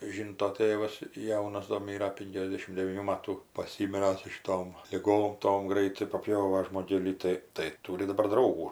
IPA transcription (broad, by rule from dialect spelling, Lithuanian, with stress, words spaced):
ˈʒʲiːntoː ˈtʲeːʋɐs ˈjɛʊnɐs doː ˈmʲiːrɐ ˈpʲɪŋʲkʲɛzʲˌdʲeːʃʲɪm dʲɛʋʲiːˈnʲuː ˈmɑːtuː pɐˈsʲiːmʲɪrɐ sʊ ʃʲɪˈtoːm lʲɪˈɡoːm ˈtoːm ˈɡrɐɪtɐɪ pɐˈpʲjoːʋɐ ʒmoːˈɡʲeːlʲiː ˈtɐɪ tɐɪ ˈtuːrʲɪ dɐˈbɐr ˈdrɐʊɡuː